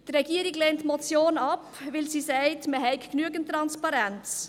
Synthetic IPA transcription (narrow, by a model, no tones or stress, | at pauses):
tɾɛɡiːəɾɪɡleːntmɔt͡sjoːnɑpvɪlsiːsɛɪtməɦɛɪkknyəɡəntːɾɑnspɑɾɛnt͡s